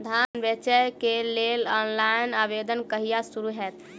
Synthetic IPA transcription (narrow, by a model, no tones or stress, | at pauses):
d̪ʱanbət͡ʃəjkelelɔnlajnabed̪ənkəɦijasuɾuɦɛt̪